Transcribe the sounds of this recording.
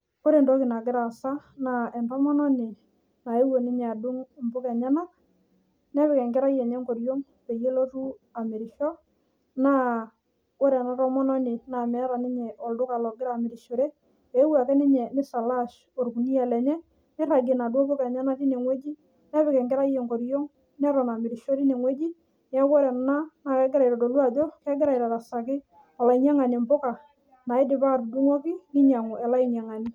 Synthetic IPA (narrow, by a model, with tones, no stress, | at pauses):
ko˦ɾe˨ndɔ˦kɪ˨na˨ɡɪ˦ɾa˨sa˦na˨ɛ˨ntɔ˦mɔ˦nɔ˦nɪ˨ | na˨e˦wo˨nɪ˦ɲɛ˨a˨du˦ŋmbʊ˦kɛ˨ɲa˦na˦ | nɛ˦βɪ˨kɛ˨ŋɡɪ˦ɾa˦jɛ˨ɲɛ˦ŋko˨ɾjo˦ŋ | pe˨je˦lo˦tu˦a˨mɪ˨ɾɪ˨ʃɔ˦ | na˦ | ko˦ɾɛ˨na˨˦ɾɔ˦mɔ˦nɔ˦nɪ˨na˨mɛ˦ɾa˨nɪ˦ɲɛ˨ʔɔ˨ldʊ˦ka˨lɔ˨ɡɪ˦ɾa˨mɪ˨ɾɪ˨ʃo˨ɾe˦ | e˨˦wa˨kɛ˦nɪ˦ɲɛ˨nɪ˦sa˨la˦ʃ | o˨ɾku˨ni˦a˨lɛ˨ɲɛ˦ | nɛ˦ɾa˨ɡɪ˨na˨dwɔ˦bʊ˦ka˨ɲɛ˦na˦ti˦ne˨ŋwe˦d͡ʒi˦ | nɛ˦bɪ˨kɛ˨ŋɡɪ˦ɾa˦jɛ˨ŋko˨ɾjɔ˦ŋ | nɛ˦ɾɔ˨na˨mɪ˨ɾɪ˨ʃo˦ɾi˦ne˨ŋwe˦d͡ʒi˦ | n˦a˦kɔ˦ɾɛ˨n˨na˦na˨kɛ˦ɡɪ˦ɾa˨i˨ɾɔ˨do˨lwa˦˨dɔ˦kɛ˦ɡɪ˦ɾa˨iɾa˨ɾa˨sa˨kɪ˦ | a˨la˨i˨ɲa˦ŋa˨nɪ˨mbʊ˦ka˨ | na˨ɪ˦dɪ˨pa˦˨ɾdu˦ŋɔ˦kɪ˦nɪ˦ɲa˨ŋʊ˨ʔɛ˨la˦i˨ɲa˨ŋa˨nɪ˦